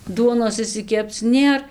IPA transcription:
ˈduɔnoːs ɪʃʲsʲɪˈkʲɛpt͡s ˈnʲeːr

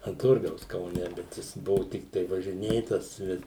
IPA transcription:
ɐn ˈtʊrɡɐʊs kɐʊˈnʲɛ ˈbʲɛt jɪs ˈbʊʋʊ ˈtʲɪktɐɪ ʋɐʒʲɪˈnʲeːtɐs ˈbʲɛt

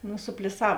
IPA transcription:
nʊ sʊpʲlʲɪˈsɐw

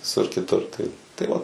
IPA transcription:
ʋʲɪˈsʊr kʲɪˈtʊr tɐɪ tɐɪ ˈʋɐ

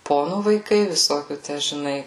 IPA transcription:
ˈpoːnuː ʋɐɪˈkɐɪ ʋʲɪˈsoːkʲuː ˈtʲæ ʒʲɪˈnɐɪ

